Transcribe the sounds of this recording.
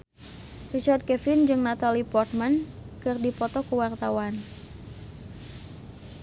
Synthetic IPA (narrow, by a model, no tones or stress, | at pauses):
rit͡ʃard̪̚kɛfɪnd͡ʒɨŋnat̪alipɔrt̪̚mankɨrdipɔt̪ɔkuwart̪awan